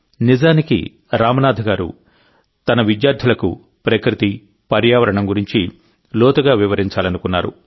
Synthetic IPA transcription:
nid͡ʒaːnikḭ | ɾaːmɐnaːd̪ʱɐɡaːɾṵ | t̪ɐnɐʋidjaːɾd̪ʱilɐkṵ | pɾɐkɾit̪i | pɐɾjaːʋɐɾɐɳɐmɡuɾiɲt͡ʃi | lɔːt̪ɐɡaːʋiʋɐɾiɲt͡ʃaːlɐnukunːaːɾṵ

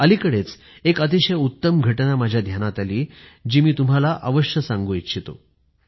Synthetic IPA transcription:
əlikəɽet͡s | ekət̪̬iɕəjut̪ːəmɡʱəʈnamad͡ʑʱjad̪ʱjanat̪aliːd͡ʑiːmiːt̪um̤alaʔəʋəɕjəsãŋɡuit̪ɕit̪o̰

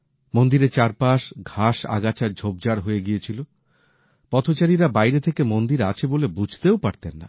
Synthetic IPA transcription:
mond̪iɾet͡ɕaɾpaʃɡʱaʃa̰ɡat͡ɕaɾd͡ʑʱobd͡ʑaɽɦoeɡiet͡ɕʰilo | pɔt̪ʰot͡ɕaɾiɾabajɾet̪ʰekemond̪iɾa̰t͡ɕʰebolebud͡ʑʱt̪eopaɾt̪enːa̰

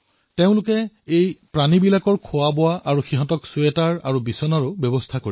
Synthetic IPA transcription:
teʊ̃lʊkɛ | ejpɹanibilakɔɹkʰʊwabɔwaʔaɹuxiɦɔ̃tɔksuetaɹa̰ɹubisɔnaɹʊbɔbɔstʰakoɹi

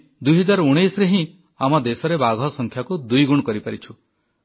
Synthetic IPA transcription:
d̪ujɦɔd͡ʒaɾuɽ̃ejsɾeɦĩ | amɔd̪esɔɾebaɡʱɔsɔŋkʰjakud̪ujɡuɽ̃ɔkɔɾipaɾit͡ʃʰu

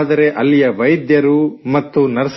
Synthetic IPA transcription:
d̪ɐɾe̞ʔɐlːijɐʋɐjd̪jɐɾumɐt̪ːunɐɾs

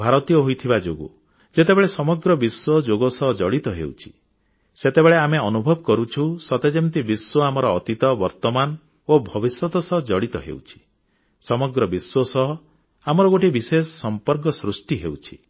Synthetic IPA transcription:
bʱaɾɔt̪ijɔɦojt̪ʰibad͡ʒoɡu | d͡ʒet̪ebeɭesɔmɔɡɾɔbiswɔd͡ʒoɡɔsɔɦɔd͡ʒɔɽit̪ɔɦḛwt͡ʃʰi̥ | set̪ebeɭeameɔnubʱɔbɔkɔɾut͡ʃʰusɔt̪ed͡ʒemt̪ibiswɔamɔɾɔːt̪it̪ɔbɔɾt̪ɔman | obʱɔbiswɔt̪ɔsɔɦɔd͡ʒɔɽit̪ɔɦḛwt͡ʃʰi̥ | sɔmɔɡɾɔbiswɔsɔɦɔ | amɔɾɔɡoʈibisesɔsɔmpɔɾk̬ɔsɾusʈiɦewt͡ʃʰi̥

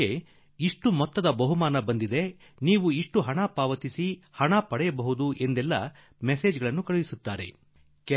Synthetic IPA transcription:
e | iʂʈumɔt̪ːɐd̪ɐbɐɦumaːnɐbɐnd̪id̪e̞ | niːʋuiʂʈuɦɐɳapaːʋɐt̪isihɐɳapɐɽɛjɐbɐɦud̪uʔe̞nd̪ɛlːɐ | meseːd͡ʒɡɐɭɐnːukɐɭuʋisut̪ːaːɾe̞̰ | k

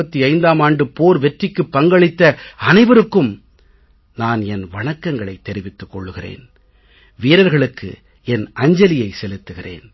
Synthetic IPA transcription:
ɐt̪ːiɐɪnd̪aːmaːɳɖɯpoːɾʋɛʈrɪkːɯpːɐŋɡɐɭɪt̪ːɐɐnɐɪʋɐɾɯkːɯm | naːnɛnʋɐɳɐkːɐŋɡɐɭɐɪt̪ːɛɾɪʋɪt̪ːɯkːɔɭːɯɣɪrḛːn | ʋiːɾɐɾɣɐɭɯkːɯ̰ | ɛnɐɲd͡ʒɐlɪjɐɪsɛlɯt̪ːɯɣɪrḛːn

